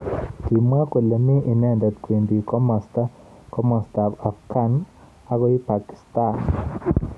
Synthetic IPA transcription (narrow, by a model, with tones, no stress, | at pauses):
ki˨ma˦kwe˨le˨mi˦ʔi˨nɛ˦ndɔ˨t̪kwe˨ndi˨kɔ˦mɔ˨sta˦ | kɔ˦mɔ˨sta˨a˨fka˦n | a˨ɡɔ˦i˦pa˨ki̥˨sta˦˨n